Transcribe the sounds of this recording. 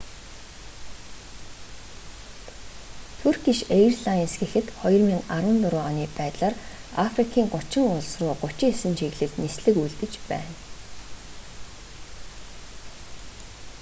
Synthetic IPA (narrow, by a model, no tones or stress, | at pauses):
t̪ʰurɡiʃejrɮainsɡĭxɘ̆t̪χɔj̆rmiːŋarwə̆nt̪ʊɾʊːɔniːpæːt̪ɮaːr | afrikʰiːŋɢʊt͡ɕɪ̆ŋʊɮsrʊːɢʊt͡ɕɪ̆ŋesɘ̆nʃiɣɮɘ̆knisɮɘ̆kujɮt̪ɘ̆t͡ɕpæ̰ːn